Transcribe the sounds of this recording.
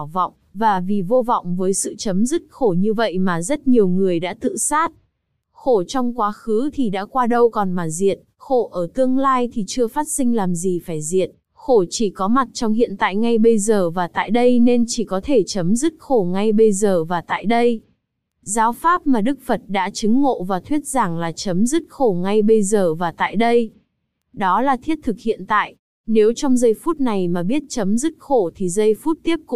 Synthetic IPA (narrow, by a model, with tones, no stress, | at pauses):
wvɔ̰˧˨wŋ͡mvaː˨˩vi˨˩vo˧v̰wŋ͡mvəː˨˦jsɨ̰˧˨t͡ɕə˨˦mzɨ˦˥t̚xo˧˩ɲɨ˧və̰˧˨jmaː˨˩zə˦˥t̚ɲi˨˩əwŋɨ˨˩əjɗa̰ː˧˥t̪ɨ̰˧˨saː˦˥t̚ | xo˧˩t͡ɕɔ˧wŋ͡mkwaː˨˦xɨ˨˦t̪ʰi˨˩ɗa̰ː˧˥kwaː˧ɗə˧wkɔ˨˩nmaː˨˩zḭ˨˩ət̚xo˧˩ʔəː˧˩t̪ɨ˧əŋlaː˧jt̪ʰi˨˩t͡ɕɨ˧əfaː˦˥t̚sï˧ŋ̟laː˨˩mzi˨˩faː˧˩jzḭ˨˩ət̚ | xo˧˩t͡ɕi˧˩kɔ˨˦ma˨˩t̚t͡ɕɔ˧wŋ͡mhḭ˧˨ənt̪a̰ː˧˨jŋa˧jɓə˧jzəː˨˩vaː˨˩t̪a̰ː˧˨jɗə˧jne˧nt͡ɕi˧˩kɔ˨˦t̪ʰe˧˩t͡ɕə˨˦mzɨ˦˥t̚xo˧˩ŋa˧jɓə˧jzəː˨˩vaː˨˩t̪a̰ː˧˨jɗə˧j | zaː˨˦wfaː˦˥p̚maː˨˩ɗɨ˦˥k̚fə˨˩t̚ɗa̰ː˧˥t͡ɕɨ˨˦ŋːo̰˧˨vaː˨˩t̪ʰwi˦˥ət̚z̥aː˧˩ŋlaː˨˩t͡ɕə˨˦mzɨ˦˥t̚xo˧˩ŋa˧jɓə˧jzəː˨˩vaː˨˩t̪a̰ː˧˨jɗə˧j | ɗɔ˨˦laː˨˩t̪ʰi˦˥ət̚t̪ʰɨ˨˩k̚hḭ˧˨ənt̪a̰ː˧˨jʔ | ne˨˦wt͡ɕɔ˧wŋ͡mzə˧jfu˦˥t̚na˨˩jmaː˨˩ɓi˦˥ət̚t͡ɕə˨˦mzɨ˦˥t̚xo˧˩t̪ʰi˨˩zə˧jfu˦˥t̚t̪i˦˥əp̚kʊ̰˧